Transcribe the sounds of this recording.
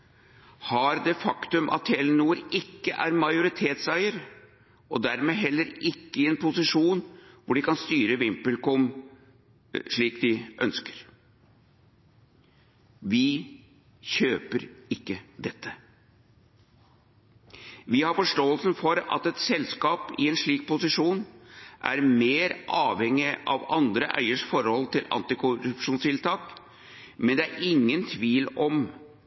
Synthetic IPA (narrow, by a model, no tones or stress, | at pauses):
hɑɾd̪ɛfɑkt̪ʉmʔɑ̰t̪heːlənuːɾɪkːəʔæ̰ɾmɑjʊɾɪt̪ʰeːt̪sæɪəɾ | ʔɔd̪æɾmeːɦɛlːəɾɪkːəɪɛːnpʰʊsɪʂuːnʋʊɖɪkɑnst̪yːɾəʋɪmpəlkɔm | ʂɭiːkd̪ɪʔœ̰nskəɾ | ʋɪ | çøːpəɾɪkːəd̪ɛt̪ːə | ʋɪhɑɾfɔʂʈoːəlsn̩fɔɾɑ̰t̪ɛt̪sɛlskɑːpɪɛnʂɭiːk̚pʊsɪʂuːnʔæ̰ɾmeːɾʔɑːʋhɛŋːɪʔɑʋɑnd̪ɾə̰ʔœ̰ʏəʂfɔɾhɔlt̪ʰɪlɑ̰nt̪ɪkʰʊɾʉpʂuːnst̪ʰɪlt̪ʰɑːk | mɛnd̪ɛæɾɪŋːənt̪ʰʋiːlɔm